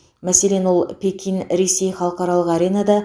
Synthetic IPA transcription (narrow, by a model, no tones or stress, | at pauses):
mæsele̞nwo̞lˠpʲekʲʰinɾese̞jχɑlˠəqɑɾɑlˠəqɑɾʲe̞nad̪ɑ